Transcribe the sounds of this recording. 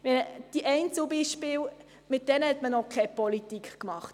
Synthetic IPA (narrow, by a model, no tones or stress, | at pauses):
mɛəd̥iʔɛɪnt͡subiʃpɪːl | mɪt̚d̥ɛnəhɛtmənɔkʰɛpɔlitikkmɑχt